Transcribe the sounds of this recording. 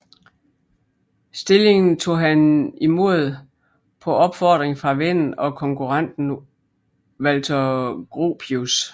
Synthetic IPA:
sd̥e̝le̝ŋn̩t͡sʰo̝̰ːɦænimo̝ð̞̰ˠ | pʰɒ̽ɒ̽b̥fɒ̰ːd̥ʁeŋfʁɑ̈ʋen̰n̩ɒ̽kʰɒ̽ŋkʰuʁɑn̰d̥n̩ | ʋælt͡sʰɒɡ̥ʁo̝̰pʰius

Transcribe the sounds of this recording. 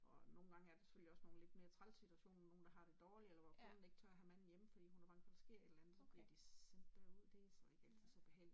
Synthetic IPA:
ʔɒ̽no̝ːn̩ɡ̥ɑ̈ŋəæɐd̥ese̥føliɒ̽sno̝ːn̩le̝d̥̚me̝ːɐt͡sʰʁalsit͡sʰuæɕo̝̰ːnno̝ːn̩d̥ɑ̈ɦɑ̈ɾ̥e̝d̥ɒːlielɐʋɒkʰone̝ɡ̥ət͡sʰœɐɐɦæmæn̰n̩jeməfɒd̥ḭːhunhæb̥ɑ̈ŋ̰̥ʋɒd̥ɑsɡ̥e̝ɐ̰ed̥lænð̩ˠsɒ̽b̥liɐd̥issem̥b̥æɐuð̰ˠd̥esɒe̝ɡ̥æl̰t͡sʰið̰ˠsɒ̰̽b̥e̝ɦel̰i̥

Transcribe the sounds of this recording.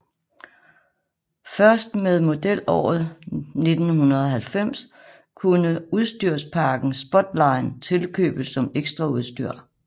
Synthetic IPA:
fɶɐsd̥meðˠmo̝d̥el̰ɒ̰ːð̩ˠne̝d̥n̩hunɐð̞̩ˠɒ̽ɦælfem̰s | kʰunəuð̞ˠsd̥yɐ̰spʰɑ̈ːɡ̥n̩sb̥ɒ̽d̥lɑ̈ɪnt͡sʰe̝lkʰø̰ːb̥əsɒ̽meɡ̥sd̥ʁɑ̈uð̞ˠsd̥yɐ̰

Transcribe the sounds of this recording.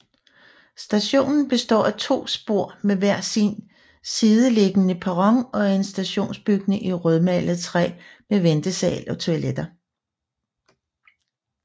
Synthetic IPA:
sd̥æɕo̝̰ːnn̩b̥e̝sd̥ɒ̰ːæt͡sʰo̝̰ːsb̥o̝ɐ̰meʋæɐ̰sin | siːð̞ˠəle̝ɡ̥ənəpʰɑʁɒŋɒ̽æɐe̝nsd̥æɕo̝̰ːnsb̥yɡ̥nəʔiʁœð̞ˠmælð̩ˠt͡sʰʁɛ̰ːmeʋend̥əsɛ̰ːlɒ̽t͡sʰo̝æled̥ɐ

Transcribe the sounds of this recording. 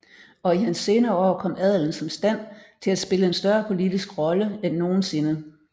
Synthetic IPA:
ɒ̽iɦænse̝ːnɐːɒ̰ːkʰɒ̽m̰æð̞̰ˠln̩sɒ̽msd̥æn̰t͡sʰe̝læsb̥e̝ləensd̥ɶɐpʰo̝lid̥isɡ̥ʁɒ̽ləenːo̝ːn̩se̝nə

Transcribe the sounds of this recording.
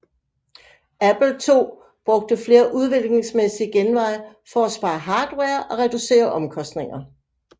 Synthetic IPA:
æb̥l̩t͡sʰo̝̰ː | b̥ʁɔ̽ɡ̥̚d̥əfle̝ːɐʔuð̞ˠʋe̝l̰ɡ̥ne̝ŋsmesiɡ̥enʋɑ̈ɪ̰ | fɒ̽æsb̥ɑ̈ɪɦɑ̈ːd̥weːɐʔɒ̽ʁɛd̥use̝̰ːɐʔɒ̽mkʰɒ̽sd̥ne̝ŋɐ

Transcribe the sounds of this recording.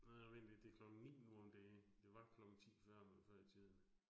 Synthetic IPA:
næjaʋend̥ed̥ekʰlɒ̽ɡ̥ŋ̩nḭːnuɒmd̥ɛːd̥e̝ʋɑ̈kʰlɒ̽ɡ̥ŋ̩t͡sʰḭːfɶɐ̰mænfɶɐ̰it͡sʰið̞ˠn

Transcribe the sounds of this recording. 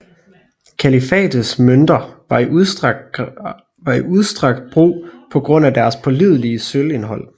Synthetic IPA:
kʰælifɛ̰ːd̥əsmønd̥ɐɑ̈i | ʋɑ̈iuðˠsd̥ʁɑ̈ɡ̥̚d̥̚b̥ʁṵːpʰɒ̽ɡ̥ʁɔ̽n̰æd̥æɐspʰɒ̽lið̞̰ˠliəsøle̝nɦɒ̽l̰

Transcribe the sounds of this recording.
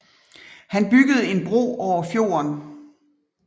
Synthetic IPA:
hænb̥yɡ̥əð̞̩ˠe̝nb̥ʁo̝̰ːɒʊ̰ɐfjo̝̰ːɐn

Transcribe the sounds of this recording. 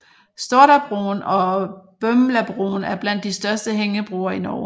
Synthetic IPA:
sd̥oɐɾæb̥ʁṵːnɒ̽b̥ømlæb̥ʁṵːnæɐb̥læn̰d̥ːisd̥ɶɐsd̥əɦeŋəb̥ʁuːɐinɒ̰ː

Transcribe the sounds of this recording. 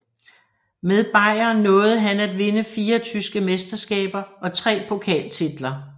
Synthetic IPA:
meðˠb̥ɑ̈ɪ̰ɐnɔ̽ːð̞̩ˠɦænæd̥ʋe̝nəfiːɐt͡sʰysɡ̥əmesd̥ɐsɡ̥ɛ̰ːb̥ɐʔɒ̽t͡sʰʁɛ̰ːpʰo̝kʰɛ̰ːlt͡sʰid̥lɐ

